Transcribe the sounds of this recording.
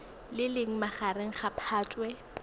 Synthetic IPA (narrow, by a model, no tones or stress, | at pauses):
lɪlɪŋ̩maχaɾeŋ̩χapʰaːtʼwɛ